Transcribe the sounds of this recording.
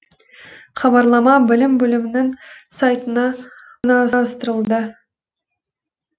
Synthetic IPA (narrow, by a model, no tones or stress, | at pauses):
χɑβɑɾlˠɑmɑbɪlɪmbɵlɪmɪnɪŋsɑjt̪ənɑ | nɑɾɾəst̪əɾəlˠd̪ə